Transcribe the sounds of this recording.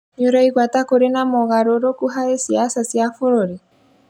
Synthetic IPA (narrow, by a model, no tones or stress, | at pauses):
ɲoɾaiɣwatakoɾenamɔɣaɾoɾokuɦaesiasasjafoɾoɾe